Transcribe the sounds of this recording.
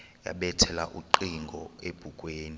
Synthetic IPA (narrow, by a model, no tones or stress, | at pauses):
ja̰ɓɛtʰɛla̰ʔuǃiŋɡʱɔeb̥ʱukʼweːni